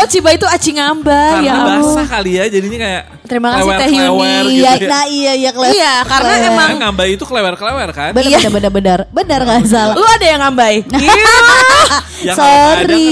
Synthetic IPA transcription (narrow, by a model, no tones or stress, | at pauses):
ot͡ʃibait̪uat͡ʃiŋambajasakalijad͡ʒadiɲakajaʔ | t̪əɾimakasit̪ɛhiunijanaijajakəlejakaɾənaemaŋŋambajit̪ukəlewɛrkəlewɛrkabənajaabənarbənarbənarŋasalluadajaŋambajna | soɾi